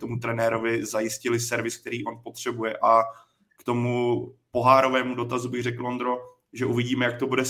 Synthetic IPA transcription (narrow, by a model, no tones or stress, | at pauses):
t̪o̞mut̪ɾɛnɛːɾo̞vɪzajɪscɪlɪsɛɾvɪsk̚t̪ɛɾiːʔo̞npo̞t̪r̝̥ɛbujɛʔa | kt̪o̞mupo̞ɦaːɾo̞vɛːmudo̞t̪azubɪɣrɛkl̩ʔo̞nd̪ɾo̞ | ʒɛʔuvɪɟiːmɛjak̚t̪obudɛ